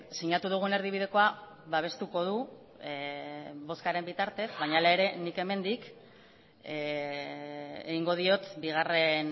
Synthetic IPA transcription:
siɲat̪uð̞uɣ̞uene̞ɾð̞iβ̞iðe̞ko̞a | βaβ̞e̞st̪uko̞ð̞u | βo̞skaɾe̞mbit̪aɾt̪e̞sβaɲaːlaeɾe̞nike̞me̞nd̪ik | eɣiŋɡo̞ð̞io̞t̪biɣ̞are̞n

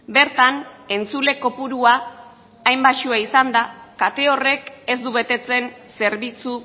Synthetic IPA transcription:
be̞ɾt̪ane̞nt͡sule̞ko̞puɾuaː | jmbaʃuaisand̪akat̪e̞o̞re̞ke̞zd̪uβe̞t̪e̞t͡se̞nse̞ɾβit͡su

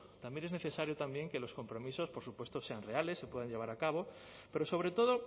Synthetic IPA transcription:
t̪ambjene̞zne̞θe̞saɾjot̪ambje̞ŋke̞lo̞sko̞mpɾo̞miso̞spo̞ɾsupwe̞st̪ose̞anre̞ale̞sːe̞pwe̞ð̞aɲʎe̞β̞aɾakaβ̞o̞ | pe̞ɾo̞so̞β̞ɾe̞t̪o̞ðo

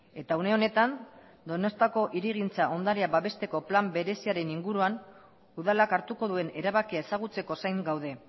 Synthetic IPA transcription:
e̞t̪aune̞o̞ne̞t̪an | d̪o̞no̞st̪ako̞ʔiɾiɣint͡saʔo̞nd̪aɾiabaβe̞st̪e̞ko̞plambe̞ɾe̞siaɾe̞niŋɡuɾuan | uðalakaɾt̪uko̞ðue̞ne̞ɾaβakiae̞saɣ̞ut͡se̞ko̞sajŋɡawð̞e̞

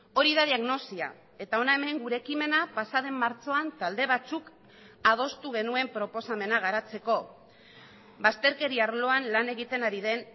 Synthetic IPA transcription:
o̞ɾiðaðiaɣno̞sia̰ | e̞t̪ao̞nae̞me̞ŋɡuɾe̞ːkime̞napasað̞e̞mːaɾt͡so̞ant̪ald̪e̞β̞at͡suk | að̞o̞st̪uɣ̞e̞nue̞mpɾo̞po̞same̞naɣ̞aɾat͡se̞ko̞ | bast̪e̞ɾke̞ɾiaɾlo̞anlane̞ɣit̪e̞naɾiðe̞n

